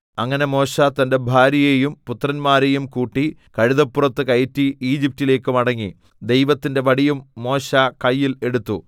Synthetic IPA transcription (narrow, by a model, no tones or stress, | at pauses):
ɐŋːɐne̞mo̞ːɕat̪ɐnde̞bʱaːɾɐjejumput̪rɐnmaːɾejumkuːʈːi | kɐɻiðɐpːurɐt̪ːɨkɐjtːiiːd͡ʑip̚tile̞ːkːɨmɐɽɐŋːi | d̪e̞jʋɐt̪ːinde̞ʋɐɽijumːo̞ːɕakɐjːile̞ɽut̪ːu